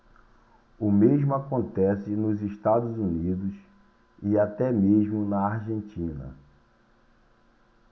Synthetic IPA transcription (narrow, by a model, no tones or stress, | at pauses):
ʊmeʒmʊakõnt̪ɛsɪnʊziʃt̪ad̪ʊzunid̪ʊs | ɪat̪ɛmeʒmʊnɐaɾʒẽnt͡ʃĩnɐ̰